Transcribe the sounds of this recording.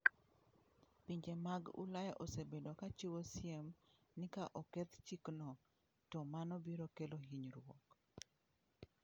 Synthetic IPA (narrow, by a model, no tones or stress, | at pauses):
piɲd͡ʒemaɡṵlajɛʔosebedokat͡ʃiwosjem | nɪkaʔɔkɛt̪t͡ʃiknɔ | tɔmanɔbiɾokelohiɲɾwɔk